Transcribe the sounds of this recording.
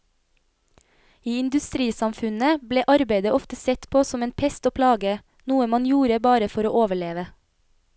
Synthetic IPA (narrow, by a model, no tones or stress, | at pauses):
iːɪnd̪ʉst̪ɾiːsɑmfʉnəbleːʔɑɾbeɪd̪əʔɔft̪əsɛt̪pʰoːsɔmeːnpʰɛst̪oːpʰlɑːɡə | nuːəmɑnjuːɾəbɑːɾəfɔɾoːʔoːʋəɭeːʋə